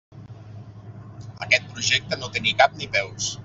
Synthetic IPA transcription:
ə̰kɛt̪̚pɾuʒɛk̚t̪ənot̪enikap̚nipɛws

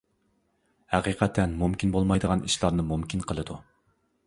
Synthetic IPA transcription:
hæqʰiqʰɛt̪ʰːɛnmumkʲinbolˠmɑjd̪əʁɑnʔiʃlˠɑɾnɨmumkʲʰinqʰəlˠɨd̪u

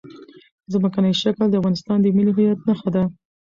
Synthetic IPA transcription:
zmakanajʃakld̪əafɣɑnɪst̪ɑnd̪əmiliɦajat̪̚naxad̪a

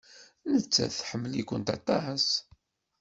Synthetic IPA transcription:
nət͡sːæ̰θħəmːəlikʷʊnt̪ɑ̰t̪ˤɑs

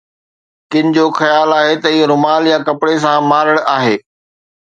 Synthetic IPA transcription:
kɪnɪ̆d͡ʑoːxɐjaːlaːɦet̪ɐɪɦoɾʊmaːljãkɐpɽes̬ãmaːɾəɽ̃aːɦeː

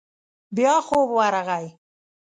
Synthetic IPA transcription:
bjɑːxobwaɾaɣaj

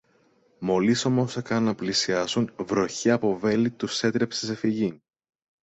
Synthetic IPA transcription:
mo̞liso̞mo̞sekɐnːɐplisiɐsunvɾo̞çeɐpo̞ve̞lit̪use̞t̪ɾe̞psese̞fiʝi

